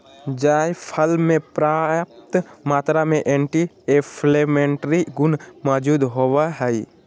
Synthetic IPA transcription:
d͡ʒaːjpʰəlmẽpɾajəp̚t̪maːt̪ɾamẽʔeɳʈi | epʰlemeɳʈɾiɡʊnmɔd͡ʒuːd̪ɦoːʋaɦɛj

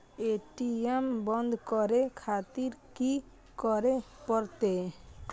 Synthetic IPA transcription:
eʈiembɔnd̪ʱkɔɾekʰat̪iɾki | kɔɾepɔɾt̪e

